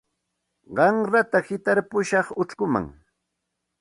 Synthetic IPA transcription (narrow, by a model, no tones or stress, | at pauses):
ɢɑŋɾat̪ahɪt̪aɾpʊʃɑχʊʈ͡ʂkʊma̰ŋ